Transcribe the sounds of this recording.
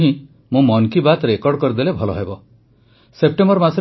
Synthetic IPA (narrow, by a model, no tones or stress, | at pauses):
ɦĩ | mũmɔnkibat̪ɾekɔɾɖkɔɾid̪elebʱɔlɔɦebɔ | sep̚ʈembɔɾmasɔɾ